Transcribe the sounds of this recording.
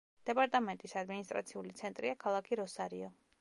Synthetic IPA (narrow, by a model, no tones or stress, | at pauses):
d̪̥ɛpʼaɾt̪ʼamɛnt̪ʼisad̪minist̪ʼɾat̪sʰiulit̪sʰɛnt̪ʼɾiakʰalˠakʰiɾɔsaɾiɔ